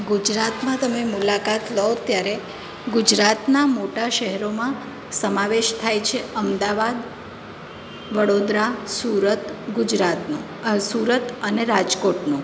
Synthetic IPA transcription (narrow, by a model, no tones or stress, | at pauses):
ɡud͡ʒɾat̪mãt̪əmemulakat̪ləot̪jaɾe | ɡud͡ʒɾat̪namoʈaʃəɦɛɾomã | səmaʋeʃt̪ʰajt͡ʃʰeəmd̪aʋad̪ | ʋəɽod̪ɾasuɾət̪ɡud͡ʒɾat̪nũ | suɾət̪əneɾad͡ʒkoʈnũ